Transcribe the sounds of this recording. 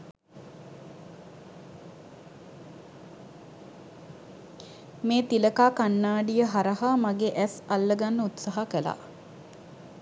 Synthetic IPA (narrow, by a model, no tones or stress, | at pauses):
meːt̪iləkaːkanːaːɖijəɦaɾəɦaːmaɡeʔæsalːəɡanːəut̪saɦakəla̰